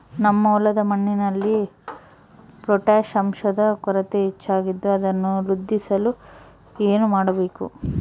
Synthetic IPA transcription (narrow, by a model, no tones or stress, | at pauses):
nɐmːɐɔlɐd̪ɐmɐɳːinɐlːi | pɾɔʈaːʂɐmʃɐd̪ɐkɔɾɐt̪eit͡ʃːaːɡid̪ːuɐd̪ɐnːuɾud̪ʱːisɐlu | eːnumaːɽɐbe̞ːkṵ